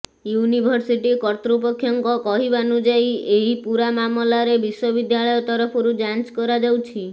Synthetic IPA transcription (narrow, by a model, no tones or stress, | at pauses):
junibʱɔɾsiʈikɔɾt̪ɾup̬ɔkʰːjɔŋkɔkɔɦibanud͡ʒajeɦipuɾamamɔlaɾebiswɔbid̪jaɭɔjɔt̪ɔɾɔpʰɔɾud͡ʒant͡ʃkɔɾad͡ʒawt͡ʃʰi